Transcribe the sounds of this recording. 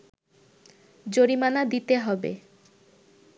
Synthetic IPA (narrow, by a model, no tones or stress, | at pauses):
d͡ʑoɾimanad̪it̪eɦɔbḛ